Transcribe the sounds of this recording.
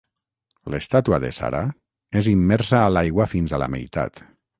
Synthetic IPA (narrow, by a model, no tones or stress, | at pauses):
lest̪at̪uaðḛsa̰ɾa | ezimːɛɾsaːlajɣwafinzala̰mḛjt̪a̰t̪